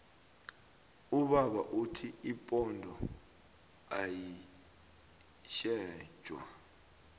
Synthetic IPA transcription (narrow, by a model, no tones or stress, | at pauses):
uɓaɓaʔutʰiipʼɔndʱɔ | aji | ʃɛ̥ːʒ̥ʱwa̰